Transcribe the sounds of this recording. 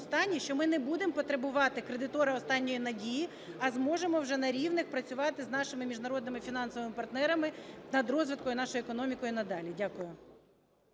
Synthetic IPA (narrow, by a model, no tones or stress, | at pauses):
st̪ɑnʲːiʃt͡ʃɔmɪnɛbud̪empɔt̪ɾebʊʋɑt̪ɪkɾed̪ɪt̪ɔɾɪɔst̪ɑnʲːɔjinɐdʲiji | ɐzmɔʒemɔwʒɛnɐɾʲiʋnɪxpɾɐt͡sʲʊʋɑt̪ɪznɑʃɪmɪmʲiʒnɐɾɔd̪nɪmɪfʲinɑnsɔʋɪmɪpɐrt̪nɛɾɐmɪnɐd̪rɔzʋɪt̪̚kɔjʊnɑʃɔjʊekɔnɔmʲikɔjʊnɐd̪ɑlʲidʲakʊjʊ